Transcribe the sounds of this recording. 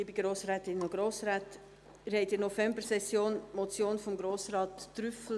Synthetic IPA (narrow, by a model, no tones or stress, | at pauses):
ɪbiɡ̥ɾoːsɾɛːt̪ɪnɔɡ̥ɾoːsɾɛːt | ɪɾhɛɪtɪnɔfɛmbəɾsɛsjoːnmɔt͡sjoːnfɔmɡɾoːsɾɑːt̪ːɾʏfl̩